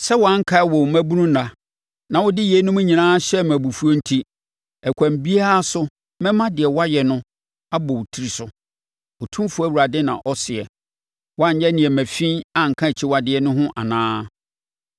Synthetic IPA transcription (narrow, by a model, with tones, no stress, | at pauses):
sɛ˦wɔ˨a˦ŋ̩˦kʰa˦wɔ˨wmæ̃˦bu˦nũ˦nã˨ | nã˨wʊ˦dɪ˦jɛ˨˦nʊ̃˦mʊ̃˦ɲĩ˨nãː˦ɕɛ˦mæ̃˨bu˨fu˦o˦n̩˦tʰi˦ | ɛ˨kʷʰã˨m˨bi˦a˦a˦sʊ˦ | mɛ̃˦mã˦dɪ˨ɛ˨wa˦jɛ˨nʊ̃˦ | a˦bɔ˨wtʰi˨˦ɾi˨sʊ˨ | ɔ˨tʰũ˦fu˨˦æ˦wu˨ɾa˨dɪ˦nã̰˨ʔɔ˦sɪ˨ɛ˨ | wɔ˦a˦ɲ˦jɛ˦nɪ̃˨ɛ˨mæ̃˨fĩ˦na˦ŋ̩˨kʰã˦e˨t͡ɕʰi˦wa˨dɪ˨ɛ˦nʊ̃˦ɦʊ̃˦ʔa̰˨nãː˦